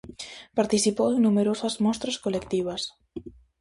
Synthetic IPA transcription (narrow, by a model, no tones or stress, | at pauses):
paɾt̪isipoweŋnumeɾosɐzmɔst̪ɾɐskolekt̪iβ̞ɐs